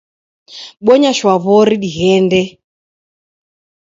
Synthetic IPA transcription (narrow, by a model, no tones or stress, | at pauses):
ɓɔɲaʃwaβɔɾiɗiɣɛndɛ